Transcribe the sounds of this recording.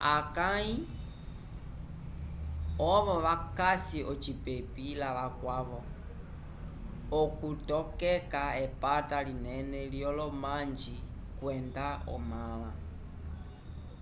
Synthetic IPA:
akai | ɔβɔʋakasiʔɔt͡ʃipepilaʋakwaβɔ | ɔkutɔkɛkaɛpatalinɛnɛljɔlɔmaɲd͡ʒi | kwɛndaɔ̰mala

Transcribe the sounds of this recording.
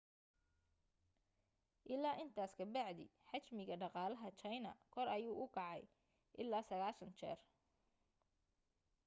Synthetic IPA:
ʔɪlaːʔɪnt̪ʰaːskʰɐbɑʕd̪ɪ̰ħɑt͡ʃmɪɣɐɖɑqɑːlɐɦɐt͡ʃɐjnɐ̰kʰɔɾɐjuːʔʊkʰɑʕɑj | ʔɪlːaːsɐɣaːʃɐnt͡ʃʰɛ̰ːr

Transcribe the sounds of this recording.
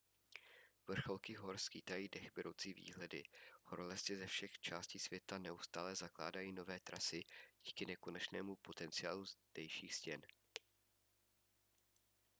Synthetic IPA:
vr̩xo̞lkɪɦo̞ɾskiːt̪ajiːdɛxbɪɾʔo̰wt͡siːvḭːɦlɛdɪ̰ho̞ɾlɛsɛzɛfʃɛxt͡ʃaːsciːsvjɛt̪anɛust̪aːlɛzakla̰ːdajiːno̞vɛːt̪ɾasɪɟ̥iːkɪnɛko̞nɛt͡ʃnɛ̰ːmupo̞t̪ɛnt͡sɪaːluzd̥ɛjʃiːxscɛn

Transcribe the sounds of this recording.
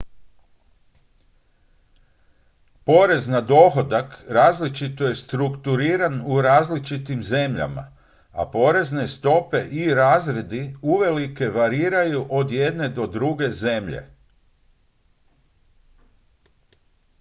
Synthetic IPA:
po̞ɾe̞znad̪o̞xo̞d̪akɾaːzlit͡ʃit̪o̞je̞st̪ɾukt̪uɾiːɾanuɾaːzlit͡ʃit̪imze̞mʎa̰ma̰ | a̰po̞ɾe̞zne̞st̪o̞pe̞ʔiɾaːzɾe̞d̪iuʋe̞like̞ʋaɾiːɾajuʔo̞d̪je̞d̪ne̞d̪o̞d̪ɾuɡe̞ze̞mʎḛ

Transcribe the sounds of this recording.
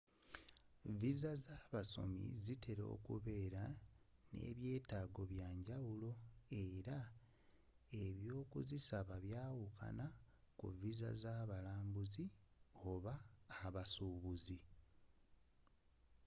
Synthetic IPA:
vizazaβaso̞̰mḭzitʰe̞ɾo̞̰ːkṵβe̞ːɾane̞̰ːβje̞ːtaːɡo̞βjaːɲɟawulo̞eɾa | e̞βjo̞ːkuzisaβaβjaːwuka̰na | kṵviza̰zaβalaːmbuzi | o̞βaːβasuːβuzi

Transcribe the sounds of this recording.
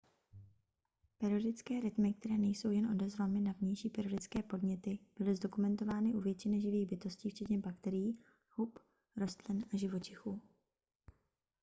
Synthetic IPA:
pɛɾɪodɪt͡skɛːɾɪt̪mɪk̚t̪ɛɾɛːnɛjso̞wjɛnʔo̞dɛzvamɪnavɲɛjʃiːpɛɾodɪt͡skɛːpo̞dɲɛt̪ɪb̥ɪlɪzdo̞kumɛnt̪o̞vaːnɪʔuvjɛt͡ʃɪnɛʒɪviːɣbɪt̪o̞sciːft͡ʃɛt̪ɲɛbakt̪ɛɾɪjiː | hup | ɾo̞st̪lɪnʔaʒɪvo̞t͡ʃɪxuː

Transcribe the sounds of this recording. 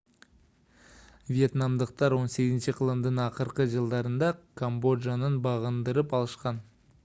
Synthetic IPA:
vije̞t̪nɑmd̪əq̚t̪ɑɾwo̞nse̞ɡʲɪzɪnʃəqʰəlˠəmd̪əɴɑqəɾqəʒəlˠd̪ɑɾənd̪ɑkʰombo̞d̪ʒanənbɑʁənd̪əɾəpɑlˠəʃqɑn

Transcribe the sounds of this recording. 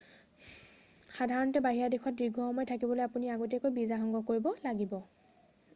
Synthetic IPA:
xadʱaɹɔntɛbaɦiɹadexɔt̚diɡʱɔxɔmɔjtʰakibɔlojapuniaɡotiɛkojbizaɦɔŋɡɔkoɹibɔlaɡibɔ

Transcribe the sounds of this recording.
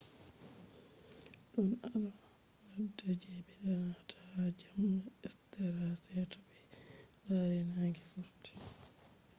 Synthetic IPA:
ɗɔnala | wadad͡ʒɛbɛɗanatʰaad͡ʒamnaɛstaɾasɛtɔɓɛ | laɾɛnaŋɡɛfuɾti̥

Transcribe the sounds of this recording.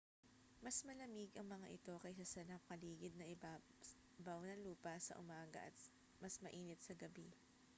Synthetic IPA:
mɐsmɐlɐmiɡʔɐŋmɐŋaʔɪt̪o̞kɐjsɐsɐnɐkɐliːɡɪd̪̚nɐʔɪba | bɐwnɐluːpɐsɐ̰ʔʊmaːɡɐ̰ʔɐ̰t̪̚ | mɐsmɐʔiːnɪt̪̚sɐɡɐbi

